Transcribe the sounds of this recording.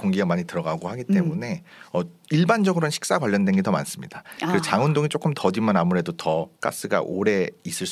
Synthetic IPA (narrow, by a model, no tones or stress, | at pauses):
koŋɡiɡamaɲitɯɾʌɡaɡohaɡit͈e̞mune̞ | ʌiɭband͡ʑʌɡɯɾonɕʰi̥k̚s͈akwaʎjːʌndwenɡe̞tʌma̰ns͈ɯmɲidakɯɾt͡ɕaŋɯndoŋit͡ɕ͈ok͈ʰɯmtʌd͡ʑimanamuɾe̞dotʌk͈a̰s͈ɯɡa̰ʔoɾe̞is͈ɯɭs